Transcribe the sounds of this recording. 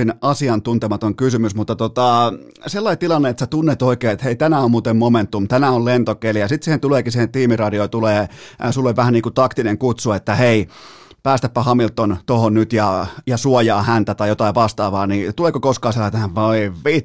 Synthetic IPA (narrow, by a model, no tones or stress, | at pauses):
inɑsiɑnt̪unt̪emɑt̪oŋkysymysmut̪ːɑt̪ot̪ɑ | selːɑit̪ilɑnːeet̪set̪unːet̪oikeːet̪heit̪ænæommuːt̪emmoment̪ːumt̪ænæollent̪okelijɑsit̪sihent̪uleːkisiːhent̪iːmirɑdiojt̪uleːsulːoʋʲʋæhænniːkut̪ɑkt̪ineŋkut̪suet̪ːæhei | pæːst̪æpːæhɑmilt̪ːˑont̪ohonnyt̪jɑjɑsuojɑːhænt̪æt̪ɑijot̪ɑiʋʋɑst̪ɑːʋɑːnit̪uleːkokoskɑːselːæt̪æhæʋʋɑiʋʋit̪